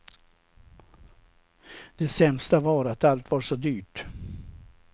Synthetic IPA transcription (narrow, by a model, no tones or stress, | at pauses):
d̪̥ɛsɛmst̪avɑːɾat̪alt̪vɑɾʂɔd̪yːʈ